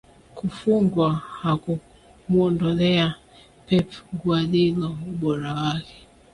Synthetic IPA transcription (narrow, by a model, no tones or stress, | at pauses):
kufuŋɡwahaku | muɔndɔlɛa | pɛpŋɡualilɔuɓɔɾawakɛ̥